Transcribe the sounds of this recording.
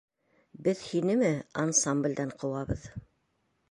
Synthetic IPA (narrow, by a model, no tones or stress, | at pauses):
bɘðhinɘmɘansamblʲd̪æɴqʰɤ̆wɑβɤ̰ð